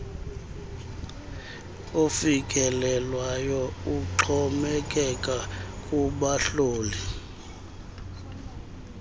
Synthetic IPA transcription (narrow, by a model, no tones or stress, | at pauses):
ofikʼɛlɛlwajɔuǁʰɔmɛkʼɛkʼakʼuɓaɬoːli